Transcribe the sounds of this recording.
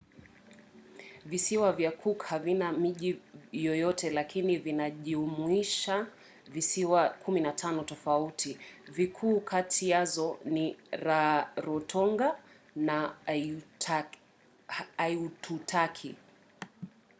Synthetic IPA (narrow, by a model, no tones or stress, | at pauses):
visiwavjakʰukhavinamiʄijɔjɔtʰɛlakʰinivinaʄiumwiʃa | visiwakʰuminatʰanɔtɔfautʰivikʰuːkʰatʰiazɔniɾaɾɔtʰɔŋɡa | na | jutʰutʰakʰi